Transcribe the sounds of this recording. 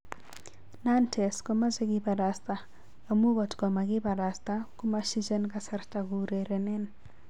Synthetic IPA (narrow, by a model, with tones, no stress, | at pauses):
na˦ntʰɛ˨skɔ˦ma˦ze˦ɡɪba˨ɾa˨st̪a˨ | a˨mu˦ɡɔ˨tkɔ˨ma˨ɡɪ˦ba˨ɾa˨st̪a˦ku˦ma˦ʃi˦d͡ʒɛ˦nka˦sɛ˨ɾta˨ɡu˨ɾe˨ɾɛ˨nɛ˦n